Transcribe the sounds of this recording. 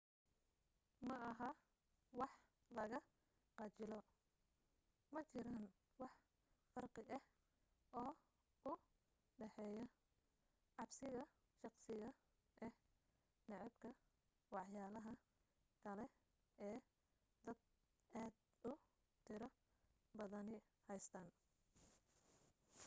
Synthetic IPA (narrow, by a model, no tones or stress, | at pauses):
mɐɐɦɐ | wɑħ | lɐɣɐ | qɑt͡ʃɪlɔ | mɐt͡ʃɪɾan | wɑħ | fɐrqɪʔɐh | ɔː | ʊ | ɖɛħɛːjɔ | ʕɑbsɪɣɐ | ʃɑqsɪɣɐ | ʔɛ | nɛʕɪbkʰɐ | wɑħjaːlɐɦɐ | kʰɐlɛ | ɛː | d̪ɐd̪̚ | aːd̪ | ʊ | t̪ʰɪɾɔ | bɐðɐnɪ | hɛjst̪ʰaːn